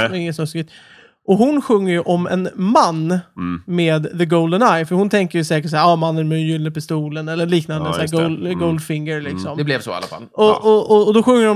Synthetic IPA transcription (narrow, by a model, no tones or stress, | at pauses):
ɪŋːət̪smœskɪt̪ | ʔɔɦʊnɧɵŋːəɾjɵʔɔmɛ̰nmanːmeːd̪ðəɡoʊld̪ənajfœɾhʊnt̪ʰɛŋkəjɵsɛːkəʈs̬æːɾɑːmanːənmɛjʏlnəpɪst̪uːlənɛlːəɭiːknand̪əsæːɡɔlɡoʊld̪fɪŋəɾlɪksɔmd̪ɛblɛvsɔ̰a̰lːa̰fa̰lɔɔɔd̪ɔɧɵŋːəɾɔ